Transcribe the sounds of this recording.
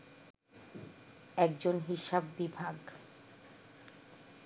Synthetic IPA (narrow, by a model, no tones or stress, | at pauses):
ɛk̚d͡ʑonɦiʃabːibʱaɡ